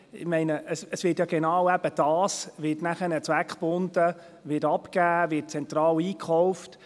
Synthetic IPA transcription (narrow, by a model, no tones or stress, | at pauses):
ɪ̰mɛɪnəʔəsəsʋɪːtjɑɡ̥enɑwæb̥əd̥ɑːsʋɪtnæχənət͡sʋækχpʊndə | ʋɪtɑpkæːʋɪːt̚t͡sɛnt̪ɾɑːliːkχɔʊft